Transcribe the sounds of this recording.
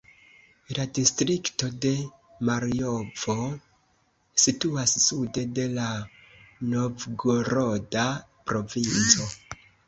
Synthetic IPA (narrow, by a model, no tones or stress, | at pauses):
ladistɾikto̞de̞ | maɾio̞vo̞ | situassude̞de̞la | no̞vɡoɾo̞da | pɾo̞vint͡so̞